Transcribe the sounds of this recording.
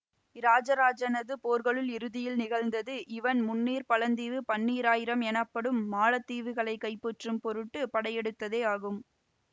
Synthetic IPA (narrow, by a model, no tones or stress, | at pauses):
ɾaːd͡ʒɐɾaːd͡ʒɐnɐðɯpoːɾɣɐɭɯlɪɾɯðɪjɪlnɪɣɐɭnd̪ɐðɯʔɪʋɐnmʊnːiːɾpɐlɐnd̪iːʋɯpɐnːiːɾaːjɪɾɐmɛnɐpːɐɽɯmːaːɭɐt̪ːiːʋɯɣɐɭɐɪkːɐɪpːɔʈrɯmpɔɾɯʈːɯpɐɽɐɪjɛɽɯt̪ːɐðeːaːɣɯm